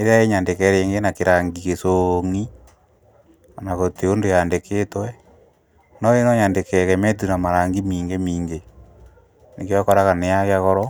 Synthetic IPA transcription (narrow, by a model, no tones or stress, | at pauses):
eɾjaeɲandekɛɾeːŋɡenakeɾaŋɡikesoŋi | anaɣoteondojandeketwɛ | nɔenɔɲandekɛɣɛmɛt̬unamaɾaŋɡimiːŋɡemiːŋɡe | nekeɔkɔɾaɣanejaɣjaɣɔɾɔ